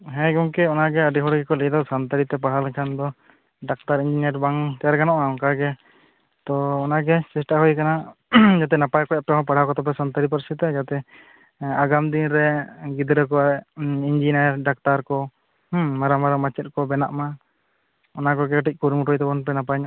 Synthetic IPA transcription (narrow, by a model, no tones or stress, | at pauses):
ɦɛ̃ɡɔŋkɛɔnaɡɛaɖiɦɔɽɡɛkɔlid̪ɔsant̪aɾit̪ɛpaɽ̤alɛkʰand̪ɔ | ɖak̚t̪aɾiɲd͡ʒinaɾbaŋt̪ɛjaɾkanɔʔaɔkaɡɛ | t̪ɔːnaɡɛsɛsʈaɦujkanad͡ʒat̪̬ɛnapajkɔjapɛɔɦɔ̃paɽ̤akɔt̪ɔp̬ɛsant̪aɾip̬aɾsɛt̪ɛd͡ʒat̪ɛ | aɡamd̪inɾɛɡid̪ɾɛkɔind͡ʒinɾɖak̚t̪aɾkɔ | maɾamaɾamat͡ʃɛt̪̚kɔbɛnaʔma | ɔnakɔɡɛkːʈic̚ˀkuɾmɾɔjt̪ɛbɔnpɛnapaɲ